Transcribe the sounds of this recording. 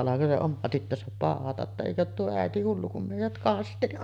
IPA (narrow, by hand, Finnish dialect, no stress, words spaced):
ɑlɑko se omɑ tytːøsæp pɑˑohɑtɑ tːɑ eˑikø oːt tuo æˑeti hulːu kum meˑijæt kɑsteli